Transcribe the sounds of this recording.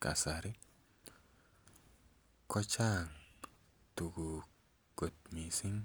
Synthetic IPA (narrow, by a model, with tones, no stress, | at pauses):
ka̰˨sa˨ɾi˦ | kɔ˦t͡ʃa˦˨ŋ | t̪u˨ɡu˨ | ɡ̥o˨t̪̚mi˨si˦ŋ